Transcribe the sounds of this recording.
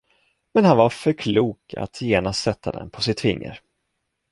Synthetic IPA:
mɛnhanvaɾfœɾkʰluːkʰa̰t̪ʰjeːnast̪sɛt̪ʰːad̪ɛ̰npʰɔsɪt̪ʰːvɪ̰ŋːə̰ɾ

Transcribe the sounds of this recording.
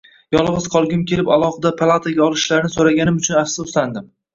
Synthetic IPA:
jɒlˠʁɨz̥qʰɒlˠɡʲɪmkʲʰe̞lɪpalˠɒχɨd̪apʰalˠat̪ʰaɡʲaɒlˠɪʃlaɾɪnɪsoɾaɡʲanɪmʊt͡ʃʰʊnafsʊʊsland̪ɪm

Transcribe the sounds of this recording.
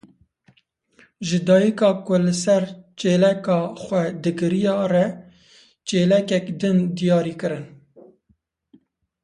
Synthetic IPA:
ʒɨd̪ɑːjikɑːkʊlɨsɛɾt͡ʃeːlɛkɑːxʷɛd̪ɨɡɨɾijɑːrɛ | t͡ʃeːlɛkɛkd̪ɨnd̪ijɑːɾiːkɨɾɨn

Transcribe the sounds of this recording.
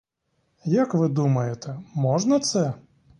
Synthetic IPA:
jɐkʋɪd̪umɐjɛt̪ɛmɔʐnɐt̪sɛ

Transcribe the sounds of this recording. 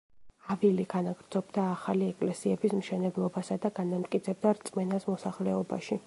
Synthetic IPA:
aviliɡ̥anaɡɾd̪zɔbd̪aːχaliɛkʼlɛsiɛbismʃɛnɛblˠɔbasad̪aɡanamt̪ʼkʼit̪sʰɛb̚d̪aɾt̪sʼmɛnasmɔsaχlɛɔba̰ʃi

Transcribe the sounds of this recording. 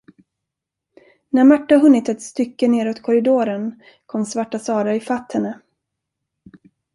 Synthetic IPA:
næɾmaʈːaɦɵnːɪt̪ɛt̪st̪ʏkːəneːɾɔt̪kʰɔɾɪd̪oːɾən | kʰɔmsvaʈːasɑːɾaɪfat̪ːhɛnːə

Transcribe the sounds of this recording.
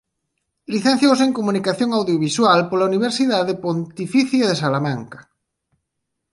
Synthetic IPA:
liθẽn̟θjowseŋkomunikaθjõŋawðjoβiswalpolauniβ̞eɾsiðaðepont̪ifiθjaðesalamãŋkḁ

